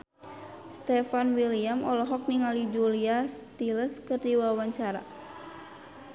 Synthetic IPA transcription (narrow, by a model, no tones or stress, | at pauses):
st̪ɛfanwiliamʔɔlɔɦɔk̚niŋalid͡ʒuliast̪iləskɨrdiwawaɲt͡ʃaɾa̰